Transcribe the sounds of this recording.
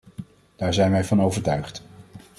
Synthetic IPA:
d̥aːɹzɛjnʋɛjvɑnowvəɹtœɥχt

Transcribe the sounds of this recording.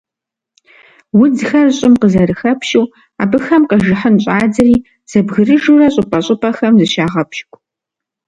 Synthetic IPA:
wʊd͡zxɐrɕʼɪmqəzɐɾɨxɐpʰʃɪw | aːbɨxɐmqɐʒɪħənɕʼaːd͡zɐriː | z̥ɐbɣɨrɨʒuːrɐɕʼʊpʼɐɕʼʊpʰɐxɐmzɨʃaːʁɐpʰʃkʷʰʼ

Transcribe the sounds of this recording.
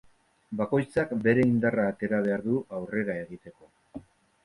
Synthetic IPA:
bako̞jt͡sakbe̞ɾe̞ind̪araːt̪e̞ɾaβ̞e̞aɾðuʔawre̞ɾae̞ɣ̞it̪e̞ko̞

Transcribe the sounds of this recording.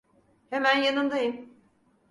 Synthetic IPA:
hemænjanɯnd̪ajɯm

